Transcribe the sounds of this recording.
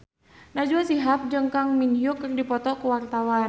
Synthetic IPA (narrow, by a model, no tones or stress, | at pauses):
nad͡ʒuasiɦap̚d͡ʒəŋkaŋminjokərdipɔt̪ɔkuwart̪awan